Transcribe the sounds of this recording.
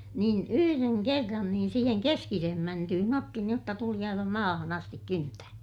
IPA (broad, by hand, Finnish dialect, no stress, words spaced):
niːn yhyreŋ kerːɑn niːn siːheŋ keskisehem mæntyhyn otːi niːj jotːɑ tuli ɑiʋɑ mɑːhɑn ɑstik kyntæː